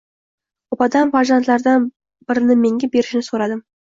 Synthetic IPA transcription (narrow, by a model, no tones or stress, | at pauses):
opɑd̪ɑnvaʒant̪lˠɑɾd̪ɑn | b̥ɪɾɪnɪme̞ŋɡʲebe̞ɾɪʃɪnɪsoɾɑd̪əm